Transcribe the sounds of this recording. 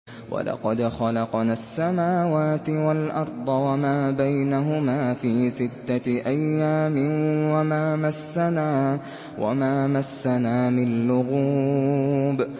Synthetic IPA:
wʔa̰lɑ̰qɑd̪xɑlɑqnaːsːamaːwaːt̪ɪwalʔɑɾˤd̪ˤɑwamaːbajnaɦʊmaːfiːsɪt̪ːaʔajːaːmɪnwamaːmasːanaː | wʔa̰maːmasːanaːmɪnllːʊɣuː | b

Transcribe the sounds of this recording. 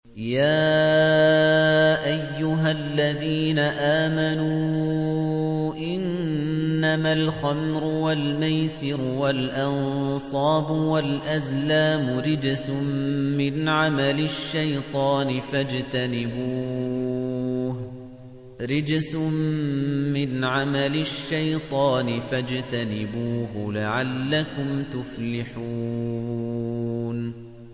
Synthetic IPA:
jaː | ʔajːʊɦalːaðiːnaʔaːmanuː | ʔɪnnːamalxamɾʊwalmajsɪɾʊwalʔɑnsˤɑːbʊwalʔazlaːmʊɾɪd͡ʒsʊmmɪnʕamalɪʃːajt̪ˤɑːnɪfad͡ʒt̪anɪbuː | h | ɾɪd͡ʒsmmɪnʕamalɪʃːajt̪ˤɑːnɪfad͡ʒt̪anɪbuːɦʊlaʕalːakʊmt̪ʊflɪħuː | n

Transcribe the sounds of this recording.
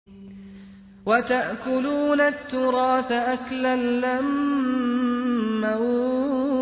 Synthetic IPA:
wat̪aʔkʊluːnat̪ːʊɾˤɑːθaʔaklalːam | a

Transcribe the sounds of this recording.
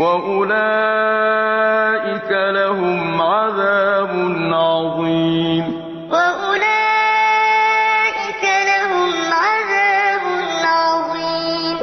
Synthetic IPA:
waʔʊlaː | ʔɪkalaɦʊmʕaðaːbʊnʕɑðˤiːm | waʔʊlaː | ʔɪkalaɦʊmʕaðaːbʊnʕɑðˤiː | m

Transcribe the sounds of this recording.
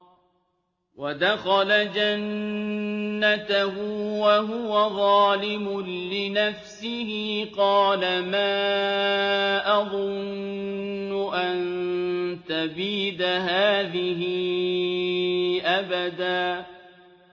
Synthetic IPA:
wad̪axɑlad͡ʒanː | at̪aɦʊwaɦʊwaðˤɑːlɪmʊlɪnafsɪhɪqɑːlamaː | ʔɑðˤʊnː | ʊʔan | t̪abiːd̪aɦaːðɪhɪ | ʔabad̪aː

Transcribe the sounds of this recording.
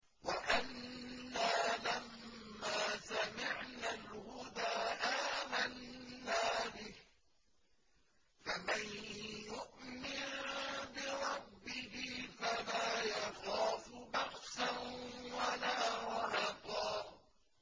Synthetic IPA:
waʔanːaːlamːaːsamɪʕnalhʊd̪aːʔaːmanːaːbɪh | famanjʊʔmɪnbɪɾˤɑbːɪhɪfalaːjɑxaːfʊbɑɣsanwalaːɾɾɑt̪ˤɑː

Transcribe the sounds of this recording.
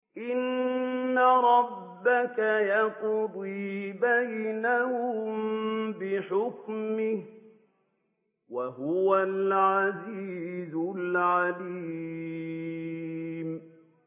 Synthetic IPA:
ʔɪnː | aɾˤɑbːakajaqd̪ˤiːbajnahʊmbɪħʊkmɪh | waɦʊwalʕaziːzʊllʕali | m

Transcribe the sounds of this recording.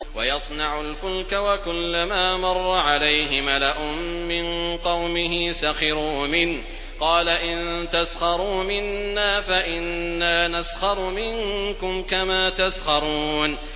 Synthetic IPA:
wajɑsˤnɑʕʊlfʊlkawakʊlːamaːmɑrˤːɑʕalajɦɪmalaʔʊmːɪnqɑwmɪɦɪsaxɪɾuːmɪn | qɑːlaʔɪnt̪asxɑɾˤuːmɪnːaːfaʔɪnːaːnasxɑɾˤmɪŋkʊmkamaːt̪asxɑɾˤuːn

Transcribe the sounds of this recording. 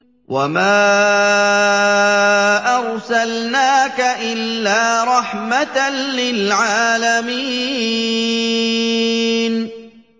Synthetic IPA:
wamaː | ʔɑɾˤsalnaːkaʔɪlːaːɾˤɑħmat̪anlɪlʕaːlamiː | n

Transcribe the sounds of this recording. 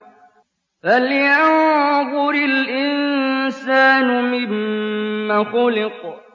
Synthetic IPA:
baljanbʊɾɪlʔɪnnsaːnʊmɪmː | axʊlɪq

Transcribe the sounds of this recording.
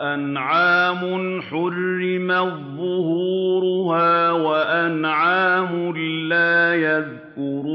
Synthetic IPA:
ʔanʕaːmʊħʊrːɪmaðˤːʊhuːɾʊhaːwaʔanʕaːmʊlaːjað | kʊɾuː

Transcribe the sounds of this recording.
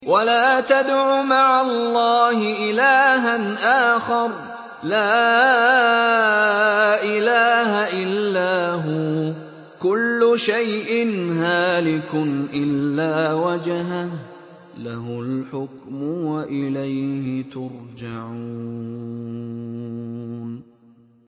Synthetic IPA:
walaːt̪ad̪ʕʊmaʕalˤːɑːhɪʔɪlaːɦanʔaːxɑɾˤ | laː | ʔɪlaːhaʔɪlːaːɦʊ | kʊlːʊʃajʔɪnhaːlɪkʊnʔɪlːaːwad͡ʒɦah | laɦʊlħʊkmʊwaʔɪlajhɪt̪ʊɾd͡ʒaʕuː | n

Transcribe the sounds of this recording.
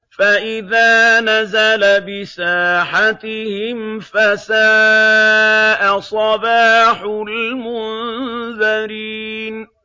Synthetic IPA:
faʔɪðaːnazalabɪsaːħat̪ɪhɪmfasaː | ʔasˤɑbaːħʊlmʊnðaɾin

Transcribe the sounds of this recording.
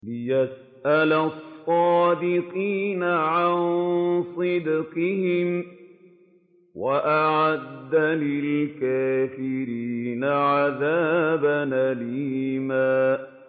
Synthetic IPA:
lɪjas | ʔalasˤːɑːd̪ɪqiːnaʕansˤɨd̪qɪhɪm | waʔaʕad̪ːalɪlkaːfɪɾiːnaʕaðaːbanʔalɪhɪmaː

